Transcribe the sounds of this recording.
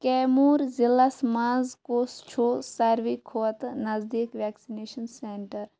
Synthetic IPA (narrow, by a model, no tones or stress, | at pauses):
kɛːmuːɾzilːɐsmãːzkoːst͡ʃʰoːsɐɾʋikʰot̪nɐzd̪iːkʋɛːksineːʃɐnseːɳʈɐɾ